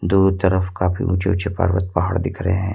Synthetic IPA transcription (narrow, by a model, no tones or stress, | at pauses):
d̪uːt̪əɾəfkaːpḭʔʊt͡ʃeʊt͡ʃepə̰ɾʋə̰t̪̚paɦa̰ɽd̪ɪkʰɾəeɦɛ̃ː